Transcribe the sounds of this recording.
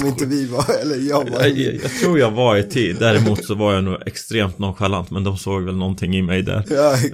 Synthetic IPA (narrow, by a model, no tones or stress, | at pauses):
mɪnt̪əvɪvɑɛlːəjɑːjɑ̰ːɡt̪ʰɾuːɾjɑːɡvaɪt̪ʰiːd̪d̪æɾɛmuːt̪sɔvaɾjanuːɡɛkst̪ɾeːmt̪nɔnɧalant̪mɛnd̪ɔmsoːɡvɛlnɔnt̪ʰɪŋːɪmɛjd̪æ̰ɾ